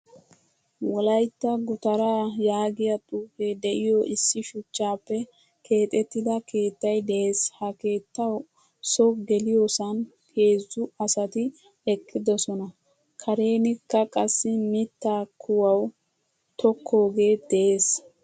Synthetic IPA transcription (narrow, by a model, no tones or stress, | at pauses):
wɔlɐjt̪ːɐɡʊt̪ɐɾaːjaːɡɪjɐt̪ʼuːfed̪ɛʔɪjoʔɪsːɪʃʊt͡ʃːaːpːɛ | kʰe̞ːt̪ʼɛt̪ːɪd̪ɐkʰe̞ːt̪ːɐjd̪ɛʔeːshɐke̞ːt̪ːɐw | sɔɡɛlɪjosɐn | ke̞ːzːʊɐsɐt̪ɪ | ɛkʼːɪd̪ɔsɔnɐ | kʰɐɾe̞ːnɪkːɐkʼɐsːɪmɪt̪ːaːkʰʊwɐw | t̪ɔkʰːo̞ːɡe̞ːd̪̥ɛʔe̞ːs